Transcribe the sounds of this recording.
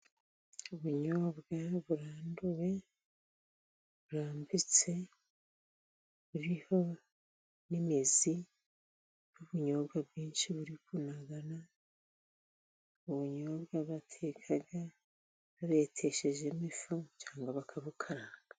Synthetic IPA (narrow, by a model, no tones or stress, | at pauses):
uβuɲoːβɡaβuɾaːnduwe̞ | βuɾaːmbit͡se̞ | βuɾiho̞ | nimizi | nuβuɲo̞ːβɡabɡiːnʃiβuɾikunaɡana | uβuɲobɡaβatʰeːkʰaɡa | βaɾe̞tʰe̞ʃe̞ʒe̞mifuɲt͡ʃaːŋɡaβakʰaβukʰaɾaːŋɡa